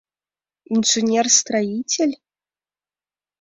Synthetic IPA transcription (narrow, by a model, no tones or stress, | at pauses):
inʐɨnʲɛrst̪ɾajit͡sʲɛlʲ